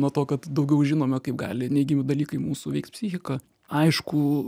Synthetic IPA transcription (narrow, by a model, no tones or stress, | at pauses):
nuɔt̪oːkɐt̪d̪ɐʊɡʲɛʊʒʲɪnoːmʲɛkɐɪp̚ɡɑ̰ːlʲɪnʲɛɪɡʲɪmʲɪd̪ɐlʲiːkɐɪmuːsuːʋʲɛɪkt̪pʲsʲɪxʲɪkɐ | ɐɪʃkʊ